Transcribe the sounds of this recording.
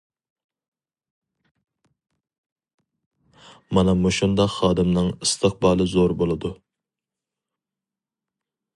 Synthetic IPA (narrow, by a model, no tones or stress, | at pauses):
mɑnɑmoʃund̪ɑχɑːd̪ɪmnɨŋɨst̪ʰəq̚bɑːlˠɨzoɾbolˠɨd̪u